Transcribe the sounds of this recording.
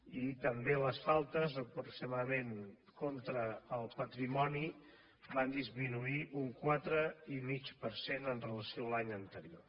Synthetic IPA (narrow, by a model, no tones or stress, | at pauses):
it̪əmbeləsfalˠt̪əzəpɾuksimaðəmen | kont̪ɾəːlˠpət̪ɾimɔni | band̪izminuiʔuŋkwat̪ɾəimit͡ʃpəɾsenənrələsioəlaɲənt̪əɾio